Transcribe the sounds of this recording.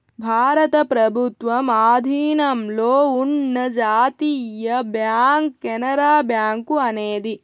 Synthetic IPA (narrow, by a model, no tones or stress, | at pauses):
bʱaːɾɐt̪ɐpɾɐbʱut̪ʋɐmaːd̪ʱiːnɐmloːunːɐd͡ʒaːt̪iːjɐbjaːŋkːenɐɾaːbjaːŋkuɐneːd̪i